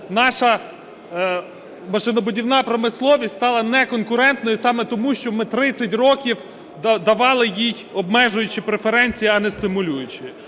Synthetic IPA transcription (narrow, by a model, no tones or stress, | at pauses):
nɑʃɐ | mɐʃɪnɔbʊdʲiwnɑpɾɔmɪslˠɔʋʲisʲst̪ɑlˠɐnɛkɔnkʊɾɛnt̪nɔjisɑmɛt̪ɔmuʃt͡ʃɔmɪt̪ɾɪt͡sʲːɐtʲrɔkʲiw | d̪ɐʋɑlˠɪjij | ɔbmɛʒʊjʊt͡ʃɪpɾefeɾɛnʲt͡sʲijiɐnɛst̪ɪmʊlʲujʊt͡ʃɪ